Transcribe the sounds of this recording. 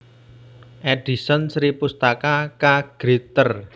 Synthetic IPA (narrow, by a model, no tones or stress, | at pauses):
ʔɛɖ̥isənsɾipust̪akakaɡ̥ɾit̪ər